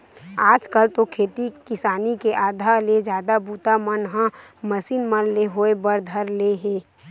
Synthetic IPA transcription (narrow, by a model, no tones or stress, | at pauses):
aːd͡ʒkəlt̪okʰeːt̪ikɪsaːnikeʔaːd̪ʱaled͡ʒjaːd̪abuːt̪amənɦãməsiːnmənleɦoebəɾd̪ʱəɾleɦeː